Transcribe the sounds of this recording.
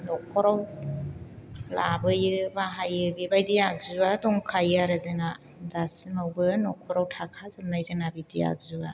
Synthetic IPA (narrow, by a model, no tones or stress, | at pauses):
nɔkʰɔɾaw | labɯjɯbaɦajɯbibajdijak̚zuadɔŋkʰajaɾɯzɯŋa | dasimawbɯnɔkʰɔɾawtʰakʰazɯmnajzɯŋnabidija̰k̚zua